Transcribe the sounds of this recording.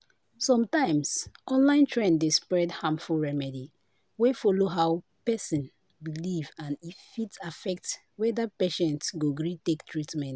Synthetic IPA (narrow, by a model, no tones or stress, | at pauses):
sɔ̃mtãɪ̃msɔ̃nlãɪ̃ntʰɹɛ̃ndespɹɛdhãmfulɹɛmɛdi | wefɔloɦaʊ | pɛsĩn | bilivãnifitafɛk̚t | wɛdapeʃɛ̃ntsɡoɡɹitektʰɹitmɛ̃nt